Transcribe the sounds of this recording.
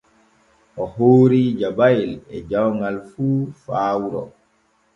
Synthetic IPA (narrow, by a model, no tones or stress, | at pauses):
ʔɔhoːɾiːd͡ʒabajlɛd͡ʒawŋɡalfuːfaːwuɾɔ̰